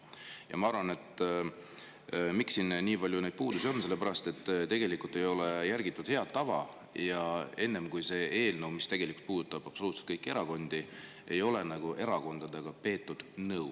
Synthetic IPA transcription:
jʔɑ̰mɑɑɾvɑne̞t̪ː | miksːinniːbɑlʲjuned̪̚puːd̪usio̞nːselːe̞pæɾɑst̪e̞t̪ːt̪e̞ɡe̞likˑult̪ːˑejo̞lejærɡ̥it̪ːˑud̪̥he̞ɑd̪̥t̪ːɑvɑ̰ | jɑe̞nːe̞mkujse̞e̞ːlnɤwmist̪e̞ɡ̥e̞liku̥lt̪puːd̪ut̪ːˑɑb̥ɑpso̞luːt̪se̥t̪kɤjkːˑie̞ɾɑko̞nd̪̥i | e̞jo̞le̞nɑɡ̥uʔe̞ɾɑko̞nd̪̥ɑd̪e̞ɡ̥ɑpe̞ːt̪ːud̪̥nɤw

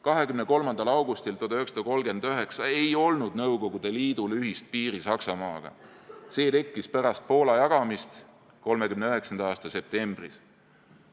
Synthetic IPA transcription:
kɑɦe̞kymneko̞lmɑnd̪ɑlɑwɡust̪ilt̪od̪ɑøeksɑ̥t̪ɑko̞lɡe̞nd̪̥øɦe̞ksɑe̞jo̞lnud̪nɤwɡo̞ɡ̥ud̪̥e̞liːd̪̥ulyɦist̪̚piːɾisɑksɑmɑːɡ̥ɑ̰ | se̞ːt̪e̞kːispæɾɑst̪̚po̞ːlɑjɑɡ̥ɑmist̪ | ko̞lme̞kymneøe̞ksɑnd̪̥ɑɑːst̪ɑse̞p̚t̪e̞mb̥ris

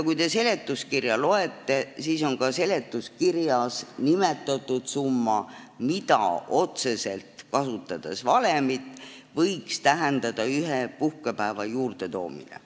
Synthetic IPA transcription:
jkujt̪e̞se̞le̞t̪ːˑuskirjɑlo̞e̞t̪ːe̞siːso̞nkɑse̞le̞t̪ːˑuskirjɑsnime̞t̪ːˑɑt̪ːˑud̪̥sumːɑ | mid̪ɑ̰ʔo̞t̪se̞se̞lt̪kɑsut̪ːˑɑd̪̥e̞svɑle̞mit̪ːˑvɤjkst̪æɦend̪̥ɑd̪̥ɑyɦepuhkepæevɑjuːrd̪̥e̞t̪o̞̰ːmḭnḛ

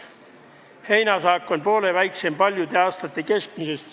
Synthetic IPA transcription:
hejnæsɑːkːonʲpoːleʋæjksempɑlʲjut̪eɑst̪ɑt̪ːekesk̚misest̪

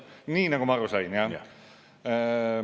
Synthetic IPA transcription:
ninakomarosaina

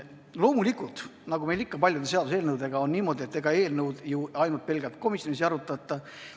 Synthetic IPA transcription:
lo̞ːmulikult̪nɑɡume̞jlikːɑpɑlʲjud̪ese̞ɑd̪useːlnɤwd̪e̞ɡ̥ɑo̞nniːmo̞ːd̪ʲie̞t̪ːe̞ɡ̥ɑe̞ːlnɤwd̪̥juɑjnult̪̚pe̞lɡ̥elt̪ko̞misjois̬ɑɾut̪ːˑɑt̪ːˑɑ

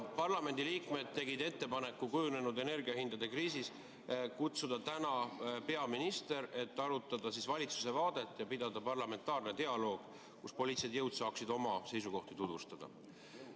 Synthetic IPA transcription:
pɑrlɑme̞nʲd̪iliːkme̞d̪̥̚t̪e̞ɡid̪e̞t̪ːe̞pɑne̞kːˑukujune̞nud̪e̞ne̞rɡ̥iɑhind̪̥ɑd̪̥e̞kriːsis | kut̪sud̪̥ɑt̪ænɑpe̞ɑminist̪e̞ɾe̞t̪ːɑɾut̪ːˑɑd̪̥ɑsisvɑlʲit̪su̥se̞vɑːd̪̥e̞t̪ːˑjɑpid̪̥ɑd̪̥ɑpɑrlɑme̞nt̪ːˑɑːrne̞t̪e̞ɑlo̞ːɡ̥ | kuspo̞liːt̪sed̪jɤwd̪sɑːksid̪o̞mɑse̞jsuko̞ht̪it̪ud̪̥ust̪ɑd̪̥ɑ̰

